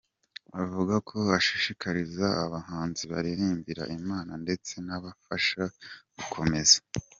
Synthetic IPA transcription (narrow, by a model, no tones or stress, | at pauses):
avuɡakʰo̞aʃiʃikʰaɾizaaβahaːnziβaɾiɾiːmbiɾa̰ʔimaːnande̞t͡se̞naβafaʃaɡ̥ukʰo̞me̞za